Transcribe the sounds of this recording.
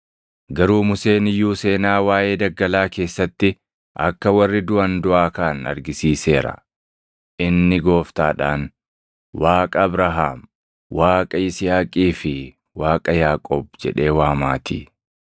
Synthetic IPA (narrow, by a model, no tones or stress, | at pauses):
ɡɐɾuːmʊse̞ːnɪjːuːse̞ːnaːwaːje̞ːd̪ɐɡːɐlaːke̞ːsːɐt̪ːɪ | ʔɐ̰kːɐwɐrːɪd̪ʊɐnd̪ʊʔaːkaːnɐ̰ɾɡɪsiːse̞ːɾɐ̰ | ʔɪnːɪɡo̞ːft̪aːᶑaːn | waːkʼɐbɾɐɦa̰ːm | waːkʼɐɪsɪjaːkʼiːfɪ | waːkʼɐjaːkʼɔːb̚d͡ʒɛ̰ᶑe̞ːwaːmaːt̪ḭː